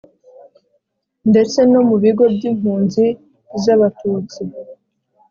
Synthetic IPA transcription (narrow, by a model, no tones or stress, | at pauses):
nde̞t͡se̞no̞muβiɡo̞bɟiːm̥huːnzi | zaβatuːt͡si